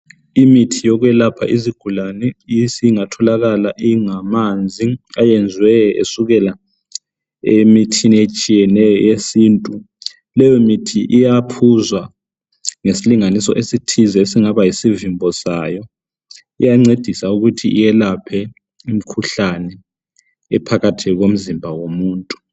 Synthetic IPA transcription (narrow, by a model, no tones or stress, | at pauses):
imitʰijɔɣwɛlapʰa̰ʔiziɡ̥ʱulanɛisiŋatʰɔlaɣalaʔiŋamand͡zʱiajɛnd͡zʱwɛḛsuɣɛla | emitʰiniet͡ʃʼijɛnɛjɔjesiːntʼu | lɛjɔmitʰiʔijapʰuzwa | ŋesiliŋanisɔ̰ʔesitʰizɛesiŋaβajisivimbʱɔsajɔ | ḭjaŋ͡ǀed̥ʱisauɣutʰiʔijɛlapʰɛ | im̩kʰuɬanɛ̰ː | pʰaɣatʰiɣom̩zimbʱawomuːntʼu̥